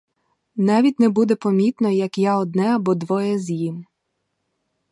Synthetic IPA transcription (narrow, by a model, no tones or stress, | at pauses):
nɑʋʲitʲnɛbud̪ɛpɔmʲit̪nɔjɐkjaɔd̪̚nɛɐbɔd̪ʋɔjɛzʲjim